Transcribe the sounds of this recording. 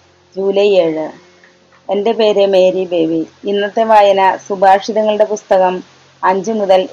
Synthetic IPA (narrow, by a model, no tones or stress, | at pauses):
d͡ʑuːlɐje̞ːɻɨ | e̞nde̞pe̞ːɾeme̞ːɾibe̞ːʋiinːɐt̪ːe̞ʋaːjɐnɐsubʱaːʂiðɐŋːɐɭɨɽe̞pust̪ɐɣɐm | ɐɲd͡ʑɨmuðɐl